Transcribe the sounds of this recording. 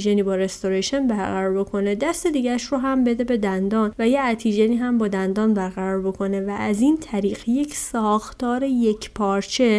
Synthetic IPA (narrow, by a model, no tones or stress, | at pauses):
ʒeniːbɒːɾe̞st̪oɾeʃe̞nbæɾɣæɾɒɾbo̞kʰo̞ne̞d̪æst̪e̞d̪iːɟæʃɾoɦæmbe̞d̪e̞be̞d̪ænd̪ɒːnvæjeæt̪ʰiʒeniːɦæmbɒːd̪ænd̪ɒːnbæɾɣæɾɒːɾbo̞kʰo̞ne̞væʔːziːnt̪ʰæɾiːɢje̞cʰsɒːxt̪ʰɒːɾe̞je̞cʰpʰɒːɾt͡ʃʰe̞